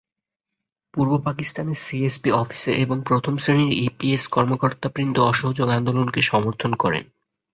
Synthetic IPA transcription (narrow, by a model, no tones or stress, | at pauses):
puɾbopakist̪aneɾsiespiɔfi̥seʔeboŋpɾot̪ʰomsɾeniɾipieskɔɾmokoɾt̪apɾint̪oɔʃoɦod͡ʑoɡand̪olonkeʃɔmoɾt̪ʰonkɔɾḛn